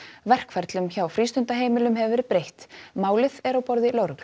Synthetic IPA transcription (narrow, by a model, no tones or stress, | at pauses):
vɛr̥kfɛɾt̪lʏmçawfɾiːst̪ʏnt̪aɦeːjmɪlʏmɦɛvɪvɛɾɪpɾejht̪maːwlɪθɛɾawpɔɾðɪloɾɣ